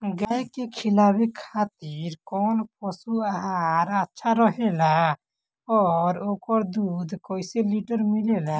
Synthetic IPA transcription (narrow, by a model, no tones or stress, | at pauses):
ɡəekekʰɪlaːwikʰaːt̪iɾkɔːnpɔsuaaɾətːʃʰaɾəɦela | ɔːɾoːkəɾd̪uːd̪koːiseliʈəɾmɪlela